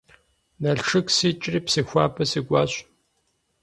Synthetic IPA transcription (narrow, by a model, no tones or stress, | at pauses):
nɐɬʈ͡ʂʰɨksɨt͡ʃʼriːpsɨxʷaːpʰɐsɨɡʷʼaːɕʷʼ